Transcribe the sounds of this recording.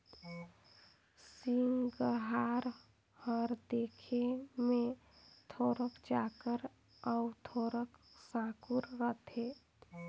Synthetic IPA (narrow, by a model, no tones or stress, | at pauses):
siŋɡəɦaɾ | həɾd̪ekʰemẽ | t̪ʰoɾəkt͡ʃakəɾ | əʊt̪ʰoɾəksãkuɾːət̪ʰe